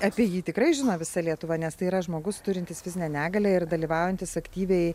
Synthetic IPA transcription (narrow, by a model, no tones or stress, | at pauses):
ɑpʲiɛjiːt̪ʲɪkrɐɪʒʲɪnoːʋʲɪsɐlʲiɛt̪ʊʋɐnʲɛst̪ɐɪiːɾɐʒmoːɡʊst̪ʊɾʲɪnʲt̪ʲɪsʋʲɪzʲɪnʲɛnʲæːɡɐlʲɛɪrd̪ɐlʲiːʋɑˑʊjɛnʲt̪ʲɪsɐkt̪ʲiːʋʲɛɪ